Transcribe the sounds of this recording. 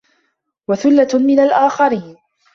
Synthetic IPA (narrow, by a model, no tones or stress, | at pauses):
waθʊlːamɪnalʔaːxaɾiːn